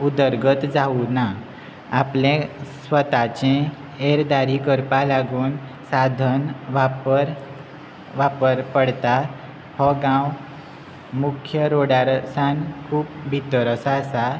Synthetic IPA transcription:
ud̪əɾɡət̪d͡zauna | aplẽsʋət̪at͡ɕẽ | eɾd̪aɾikəɾpalaɡuːn | sad̪ʱənʋapəɾ | ʋapəɾpəɽt̪a | hɔɡãw | mukʰjəɾoɽaɾsankʰuːpbʱit̪əɾəsasa

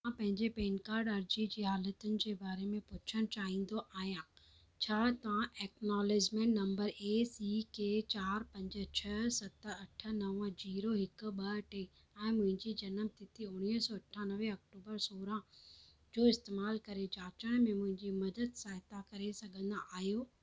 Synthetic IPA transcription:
ãpɐ̃ɦɪ̃ɲd͡ʑepeːnkaːɾɖɐɾd͡ʑid͡ʑiːɦaːlət̪ʊnɪ̆d͡ʑeːbaːɾemẽpʊt͡ɕʰəɽ̃t͡ɕaːɦĩːn̆d̪oʔaːɦijãː | t͡ɕʰaːt̪ɐʋãʔeːknaːled͡ʑmẽnnɐ̃mbəɾeːsiːket͡ɕaːɾpɐ̃ɲd͡ʑə̆t͡ɕʰɐsɐt̪əɐʈʰə̆nɐʋə̃d͡ʑiːɾoɦɪk̆ɓɐʈe | ɛ̃ːmʊ̃ɦɪ̃ɲd͡ʑid͡ʑɐnəmt̪ɪt̪iʊɽ̃iɦsɔːɐʈʰːãnɐʋeɐk̚ʈuːbəɾsoːɾã | d͡ʑoːɪst̪eːmaːlkɐɾed͡ʑaːt͡ɕəɽ̃mẽmʊ̃ɦɪ̃ɲd͡ʑimɐd̪əd̪saːɦɪt̪akɐɾesɐɡʱə̃nd̪aʔaːɦijoː

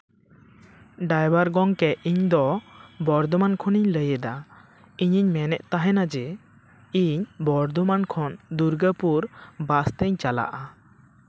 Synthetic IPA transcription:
ɖajbaɾɡɔŋkɛʔiɲd̪ɔbɔɾd̪ɔmankʰɔniɲləjəd̪a | iɲiɲmɛnɛʔt̪aɦɛnad͡ʒɛ | iɲbɔɾd̪ɔmankʰɔnd̪uɾɡəpuɾbast̪əɲt͡ʃala̰ʔa

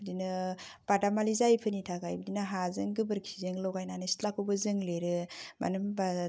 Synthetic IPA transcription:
bdinɯ | b̥adamalizajpʰɯnitʰakajbədinɯɦazɯŋɡɯbɯɾkʰizɯŋlowɡajnanɯsi̥tlakʰɯwbɯzɯŋleɾɯma̰nɯmba

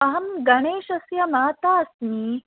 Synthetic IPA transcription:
ɐɦɐmɡɐɳ̃eːʃɐsjɐmaːt̪aːsmiː

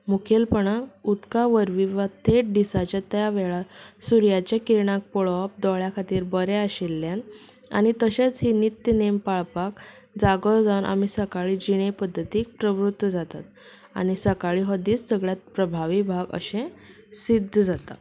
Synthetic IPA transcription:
mukʰelpəɳaut̪kaʋəɾʋiʋat̪ʰeʈ̚ɖisat͡ɕjat̪jaʋɛɭasuɾjat͡ɕjakiɾɳ̃ãk̚pɔɭap̚d̪ɔɭjakʰat̪iːɾbəɾeaɕilːjãn | a̰ñit̪əɕet͡sɦinit̪jənempaɭpak | d͡zaɡɔd͡zawnʔa̰misəkaɭiːd͡ʑiɽ̃epəd̪ʱːət̪iːk̚pɾəʋɾut̪wəd͡zat̪at̪̚ | a̰ñisəkaɭiːɦəd̪iːt͡ssəɡɭjat̪̚pɾəbʱaʋibʱaɡə̰ɕẽ | sid̪ʱːd͡zat̪a̰

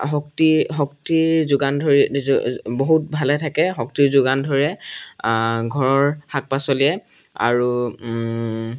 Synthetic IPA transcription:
ɦɔktiɦɔk̚tiɹzʊɡandʱoɹi | boɦut̚bʱalɛtʰakɛɦɔktiɹzʊɡandʱoɹiɛ | ɡʱɔɹɔɹhak̚pasoliɛ | a̰ɹu

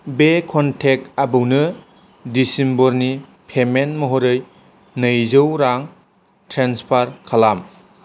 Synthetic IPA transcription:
bekʰɔntʰek̚tabɯwnɯ | disimboɾni | pʰemenmɐɦoɾɯj | nɯjzɯwɾaŋ | tʰɾenspʰaɾkʰalam

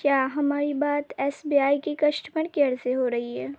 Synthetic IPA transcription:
kjaːɦɐmaːɾibaːt̪ɛːsbiːaːikekɐʃʈməɽkeɐɾzeɦoɾɐɦiɦɛː

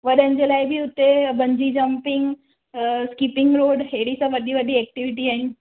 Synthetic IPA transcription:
ʋɐɗənd͡ʑelaːɪbʱiʊt̪ebɐ̃ɲd͡ʑid͡ʑɐmpɪŋɡ | skipɪŋɡɾoːɖɦeːɽisãʋɐɗiʋɐɗiɛːk̚ʈiʋɪʈiaːɦɪn

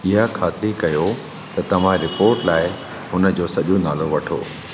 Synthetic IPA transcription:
ɪɦakʰaːt̪ɪɾikɐjo | t̪ɐt̪ɐʋ̤ãɾɪpoːɾʈlaːɪ | ɦʊnə̆d͡ʑoːsɐʄõnaːloʋɐʈʰo̰ː

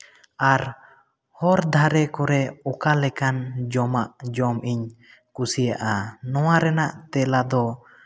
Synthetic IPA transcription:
aɾ | hɔɾd̪ʱaɾɛkɔɾɛɔkalɛkand͡ʒɔmaʔd͡ʒɔmʔiɲ | kusijaʔanɔwaɾɛnaʔt̪ɛlad̪ɔ

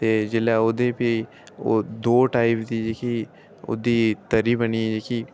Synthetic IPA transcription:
t̪eːd͡ʒɪlaːʊd̪epi | od̪oːʈaːɪpd̪iːd͡ʒeːki | ʊ̰d̪iːt̪əɾiːbənid͡ʒeːki

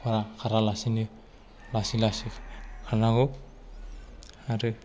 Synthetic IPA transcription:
pʰaɾakʰaɾalasini | lasilasikʰanaɡo | aɾɯ

